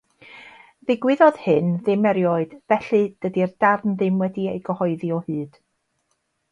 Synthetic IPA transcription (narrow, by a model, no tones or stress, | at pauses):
ðɪɡwɪðɔð̥hɨnðɪmɛɾjɔɨd̥vɛɬɨd̥ədirdavnðɪmwɛdiejɡəhɔɨðiɔhɨːd̥